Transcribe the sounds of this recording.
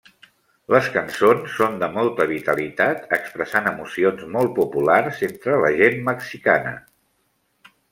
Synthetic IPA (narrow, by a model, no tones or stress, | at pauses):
ləskənsonsːond̪əmɔlˠt̪əβ̞it̪əlit̪at̪əkspɾəsanəmusionzmɔl̚ˠpupularzent̪ɾələʒenməksika̰nə̰